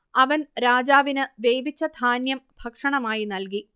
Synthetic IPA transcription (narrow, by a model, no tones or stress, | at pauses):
ɐʋɐnɾaːd͡ʑaːʋinɨʋejbit͡ɕːɐd̪ʱaːnjɐmb̥ʱɐkʂɐɳɐmaːjinɐlk̬i